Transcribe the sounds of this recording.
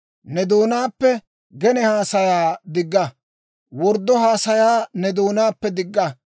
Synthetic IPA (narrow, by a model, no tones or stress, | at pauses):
nɛd̪oːnaːpːɛ | ɡɛnɛhaːsɐjaːd̪ɪɡːɐ | wɔɾd̪ːɔhaːsɐjaːnɛd̪oːnaːpːɛd̪ɪɡːɐ